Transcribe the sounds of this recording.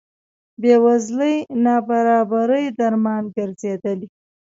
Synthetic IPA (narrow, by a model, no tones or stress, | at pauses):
bewazləjnɑbaɾɑbaɾəjd̪aɾmɑnɡəɾzed̪əli